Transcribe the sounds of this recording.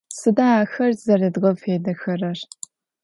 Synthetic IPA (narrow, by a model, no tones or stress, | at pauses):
sɨdaaːxɐrzɐrɐdɣɐfeːdɐxɐrɐr